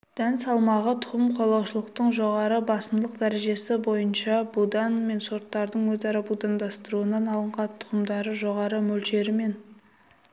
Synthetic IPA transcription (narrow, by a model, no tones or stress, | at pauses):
d̪̥ænsɑlˠmɑʁət̪ʰʊ̥qəmqʰo̞lˠɑwʃəlˠəqt̪əɴʒo̞ʁɑɾəbɑsəmd̪ˠəqd̪æɾe̞ʒe̞sɪbo̞jənʃɑbud̪ɑnme̞nso̞ɾt̪ːɑɾd̪əɴwɵzɑɾɑbud̪ɑnd̪ɑst̪əɾuənɑnɑlˠəɴqɑt̪ʰːʊ̥qəmd̪ɑɾəʒo̞ʁɑɾəmɵlʃe̞ɾɪme̞n